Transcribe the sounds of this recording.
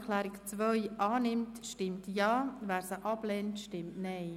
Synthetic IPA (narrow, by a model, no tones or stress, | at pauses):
kʰlɛːɾɪkt͡svœʏʔɑːnɪmtʃtɪmtjɑːvæːɾsəʔɑblɛntʃtɪmtnɛɪ